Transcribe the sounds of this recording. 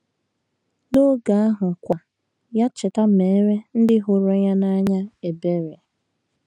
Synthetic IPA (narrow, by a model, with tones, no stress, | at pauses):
no˦ɡa˨a˦ɦʊ˨kʷa˨ | ja˦t͡ʃɪ˨ta˦me˨˦ɾe˦n̩˦dɪ˦ɦʊ˨ɾo˦ja˦na˦ɲa˦e˨be˦ɾe˨